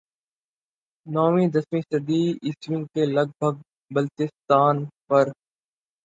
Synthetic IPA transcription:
nɔːʋĩːd̪əsmĩːsəd̪iːɪsʋɪ̃ŋɡkeləɡ̚bʱəɡ̚ | bəlt̪ɪst̪aːnpɐɾ

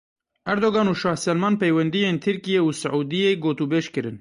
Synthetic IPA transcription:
ʔɛɾd̪oːɣɑːnuːʃɑːhsɛlmɑːnpejwɛnd̪ijeːnt̪ʰɨɾkijeːuːsɨʕuːd̪ijeːɡoːt̪uːbeːʃkɨɾɨn

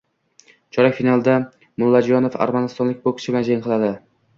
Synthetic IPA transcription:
t͡ʃʰɒɾakʲfinalˠd̪a | mʊlˠːad͡ʒjɒnofa̰ɾmanɪst̪ɒnlɪk̚ʲbokʲʰɪ̥t͡ʃʰɪbland͡ʒaŋqʰɨlˠad̪ɪ

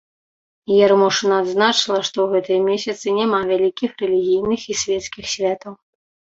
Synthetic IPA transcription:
jɛɾmɔʂɨnɐːd̪znat͡ʂɨlˠɐʂt̪ɔwɣɛt̪ɨjɐmʲesʲɐt̪sɨnʲamavʲalʲikʲixrɛlʲiɣʲijnɨxisʲvʲɛt̪skʲixsʲvʲat̪ɐw

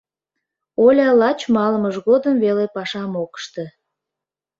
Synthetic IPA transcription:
olʲɑlɑt͡ɕmɑləməʒɣod̪əmvelepɑʃɑmokə̥ʃt̪e

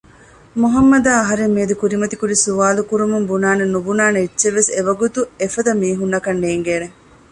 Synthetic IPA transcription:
muɦɐmːɐd̪aːɐɦɐɾemmiːd̪ukuɾimɐt̪ikuɾisuʋaːlukuɾumumbunaːnenubunaːneitːʃeʋːeseʋɐɡut̪uefɐd̪ɐmiːɦunːɐkɐnːeːŋɡeːne

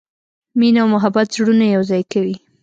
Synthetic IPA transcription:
minawmʊɦabat̪zɽunajawzɑjkawi

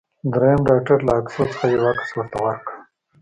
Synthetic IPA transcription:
d̪ɾejamɖɑk̚ʈaɾlaːksot͡sə̥χajawakḁswəɾt̪awaɾka

